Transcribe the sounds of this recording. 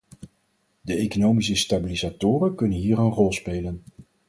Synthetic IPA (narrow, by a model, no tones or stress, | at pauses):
dəejkonowmisəstabilizaːtʊːrənkɵnənɦiːɾənrɔlˠspejlən